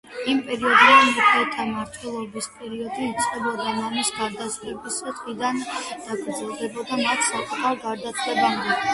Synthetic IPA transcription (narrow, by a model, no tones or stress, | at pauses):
impʼɛɾiɔd̪ɛmukʰliɛt̪ʰamaɾt̪ʰwɛlˠɔbispʼɛɾiɔd̪iːt̪sʼqʼɛbɔd̪amamisɡaɾd̪aslɛbisɛt̪ʼχʼid̪and̪̥aɡɾd̪zɛlˠd̪ɛbɔd̪amat̪ʰsakʼut̪ʰaɾɡaɾd̪at̪ʰwɛband̪ɛ